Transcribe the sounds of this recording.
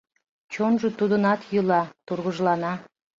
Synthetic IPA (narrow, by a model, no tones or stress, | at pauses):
t͡ɕonʒot̪ud̪ənɑt̪julˠɑt̪urʁəʒlˠɑnɑ